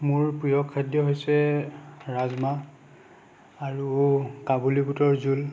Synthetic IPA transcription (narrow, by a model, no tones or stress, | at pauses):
mʊɹpijɔkʰːadjɔɦojsɛ | ɹazma | aɹukabuliputɔɹzul